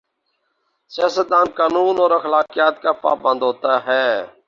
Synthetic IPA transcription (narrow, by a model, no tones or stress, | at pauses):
sɪjaːsət̪̚d̪aːnkaːnuːnoːɾəxəlaːkɪjaːt̪kaːpa̰ːbə̃nd̪ʱɦoːt̪aːɦɛː